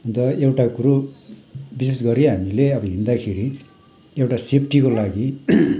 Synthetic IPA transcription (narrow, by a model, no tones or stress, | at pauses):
ɔnt̪ɐewʈakuɾu | bisesɡɔɾianileɐbiind̪akʰiɾi | ɛwʈasepʰʈiɡolaːɡi